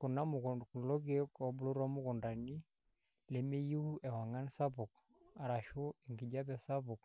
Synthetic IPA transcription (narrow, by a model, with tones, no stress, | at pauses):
kʊ˨na˦mʊ˨kklɔ˦k̬kɔ˨˦bʊ˨lo˦ɾɔ˦mʊ˦kʊ˨nda˨ni˦ | le˨me˦ju˦ɛ˨wa˨ŋa˦nsa˦pʊ˨k̚ | a˨ɾa˨ʃo˦ɛ˨ŋɡɪ˨d͡ʒa˦pɛ˨sa˦pʊ˨k